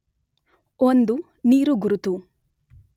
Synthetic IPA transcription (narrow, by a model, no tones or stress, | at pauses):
ond̪u | niːɾuɡuɾut̪u